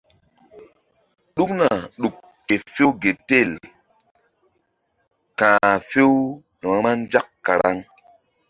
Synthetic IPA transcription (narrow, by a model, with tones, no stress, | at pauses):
ɗu˦kna˨ɗu˨kː | e˨fe˦wɡe˨te˦˨l | kãː˨fe˦w | ɾa˦nd͡ʒa˦kːa˨ɾa˦ŋ